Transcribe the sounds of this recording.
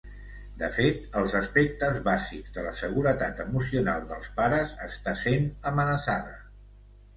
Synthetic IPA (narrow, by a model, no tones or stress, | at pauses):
d̪əfet̪əlˠzəspɛk̚t̪əzβaziɡzðələsəɣ̞uɾət̪at̪əmus̬iuna̰lˠd̪əlˠspaɾəzə̰st̪asenəmənəsaðə